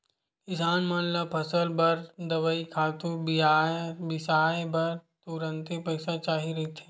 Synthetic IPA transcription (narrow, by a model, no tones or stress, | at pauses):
kɪsaːnmɐnləb̚pʰɐsəlbɐɾd̪ɐʋəikʰaːt̪uɾbiabɪsaːebɐɾt̪uɾə̃nt̪epɐːsat͡ʃaːɦiɾɐɦit̪ʰeː